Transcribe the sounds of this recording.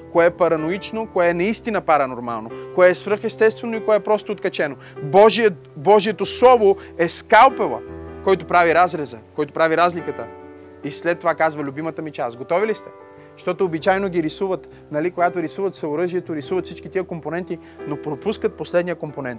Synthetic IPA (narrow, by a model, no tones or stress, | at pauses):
koɛpɐɾɐnoit͡ʃnokoɛɛnɐist̪inɐpaɾɐnoɾma̰lˠnokoɛːsvɾɤɾxɛst̪ɛst̪vɛnoikoɛɛpɾɔst̪ot̪kɐt͡ʃɛno | bɔʒi | bɔʒiɛt̪oslˠɔvoɛskalˠpɛlˠə̰kɔjt̪opɾaviɾazɾɛzəkɔjt̪opɾaviɾazlikət̪ə | islɛt̪ːovakazvɐlʲʊbimɐt̪əmit͡ʃasɡot̪ɔvilist̪ɛ̥ | ʃt̪ɔt̪oːbit͡ʃajnoɡʲiɾisuvət̪ | nɐlikoɡat̪oɾisuvət̪səoɾɤʒiɛt̪oɾisuvɐt̪sit͡ʃkit̪iəkomponɛnt̪i | nopɾopuskət̪̚poslɛd̪nijəkomponɛnt̪